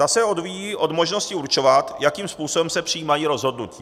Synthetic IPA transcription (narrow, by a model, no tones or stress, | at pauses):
asɛo̞dviːjiːʔo̞dmo̞ʒno̞scɪuɾt͡ʃo̞vat̪jakiːmspuːso̞bɛmsɛpr̥ijiːmajiːɾo̞zɦodnuciː